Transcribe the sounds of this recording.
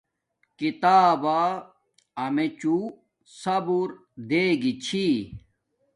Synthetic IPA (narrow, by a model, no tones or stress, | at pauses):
kit̪aːba | ɐmet͡ɕu | sɐbuɾ | d̪eːɡit͡ɕʰi